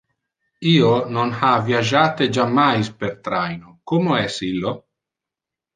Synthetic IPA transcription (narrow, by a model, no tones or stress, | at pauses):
iːononhavjad͡ʒaːt̪ed͡ʒamːajspeɾt̪ɾajnokomoɛsilːo